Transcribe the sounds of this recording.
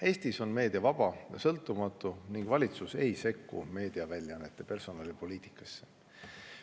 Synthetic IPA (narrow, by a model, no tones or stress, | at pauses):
e̞ːst̪iso̞nme̞ːd̪̥iɑvɑb̥ɑjɑ̰sɤ̞lt̪ːˑumɑt̪ˑːuniŋɡ̥vɑlʲit̪suse̞jse̞kːṵme̞ːd̪̥iɑvælʲjɑnːet̪ːˑe̞pe̞rso̞nɑlʲipo̞liːt̪ˑi̥kːˑɑsːe̥